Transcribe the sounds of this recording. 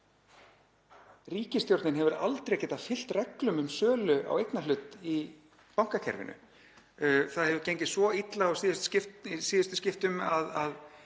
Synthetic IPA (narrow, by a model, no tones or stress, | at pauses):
riːcɪst̪jowɾt̪nɪnɦɛvʏɾa̰lt̪ɾejcɛːt̪afɪl̥t̪rɛklʏmʏmsœːlʏa̰wejknalʏt̪i | pawŋ̥kacʰɛ̰ɾvɪ̰nʏ̰ | θaðhɛvʏcejɲcɪsvɔit̪laasiːðɪst̪scɪftsiːðɪst̪ʏ̥scɪft̪ʏmaðað